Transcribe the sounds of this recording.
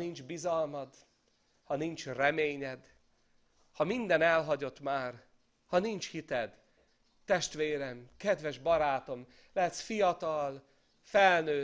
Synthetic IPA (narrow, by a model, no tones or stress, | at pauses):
nind͡ʒbizɒlmɒd̪ | hɒnint͡ʃrɛmeːɲɛd̪ | hɒmind̪ɛnɛlɦɒɟo̞t̪maːr | hɒnint͡ʃhit̪ɛd̪ː | ɛʃt̪ʋeːɾɛmkɛd̪ʋɛʒbɒɾaːt̪o̞m | lɛɦɛt̪fijɒt̪ɒl | fɛlnøː